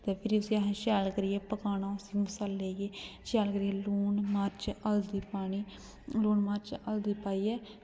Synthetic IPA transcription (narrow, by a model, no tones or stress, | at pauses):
t̪eːpʰɪɾiʊsĩːəɦãːʃaːlkəɾiɛːpəkaːnaːʊsĩːmʊsaːlːeːɡeːʃaːlkəɾiɛːluːnmaːɾt͡ʃəld̪iːpaːɳiː | luːnmaːɾt͡ʃəld̪iːpaːiːɛː